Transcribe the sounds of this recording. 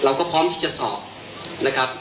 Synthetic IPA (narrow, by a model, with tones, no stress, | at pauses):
ɾa˧wkɔː˥˩pʰɾɔː˦˥mt̪ʰiː˥˩t͡ɕa˨ʔsɔ̰ː˨˩p̚ | na˦˥kʰa˦˥p̚